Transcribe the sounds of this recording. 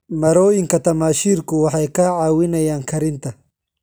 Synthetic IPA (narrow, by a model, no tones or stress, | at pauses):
mɐɾɔːjɪŋkɐt̪ɐmaːʃiːɾkʊwɑħɑjkɐʕaːwɪnɐjaːŋkʰɐɾɪnt̪ʰɐ